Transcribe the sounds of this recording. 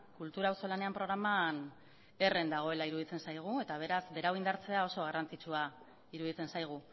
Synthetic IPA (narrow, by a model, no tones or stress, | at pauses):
kult̪uɾaːwso̞lane̞ampɾo̞ɾaman | e̞re̞nd̪aɣ̞o̞e̞laiɾuðit͡se̞nsajɣ̞ue̞t̪aβ̞e̞ɾazbe̞ɾawind̪aɾt͡se̞ao̞so̞ɣ̞arant͡sit͡sua | iɾuðit͡se̞nsajɣ̞u